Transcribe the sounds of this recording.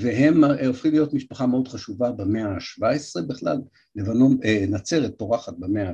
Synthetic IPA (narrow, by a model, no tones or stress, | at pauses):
veɦe̞mofχimlijo̞t̪miʃpaχameo̞d̪χaʃuvabemeaʃvaesʁe̞biχla̰lː | evanomnat͡seʁet̪ːo̞ʁaχat̪̚bemea